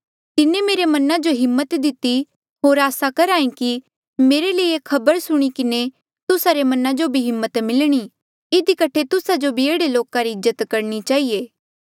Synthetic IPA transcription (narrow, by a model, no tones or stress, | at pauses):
t̪ɪnẽmeːɾemɐnãd͡ʒoɦɪmːət̪d̪ɪt̪i | ɦoːɾaːsakɐɾaːĩki | meːɾeleiekʰɐbəɾsʊɽ̃ikɪne | t̪ʊsaɾemɐnãd͡ʒobʱiɦɪmːət̪mɪlɽ̃i | ɪd̪ikɐʈʰet̪ʊsad͡ʒobʱieːɽeloːkaɾiɪzːət̪kɐɾɽ̃it͡ʃaːɦijeː